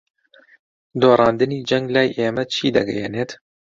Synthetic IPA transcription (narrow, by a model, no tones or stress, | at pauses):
d̪oːɾˤɑːnd̪ɨniːd͡ʒɛŋɡlaːjʔeːmɛt͡ʃʰiːd̪ɐ̰ɡɛ̰jɛneːt̪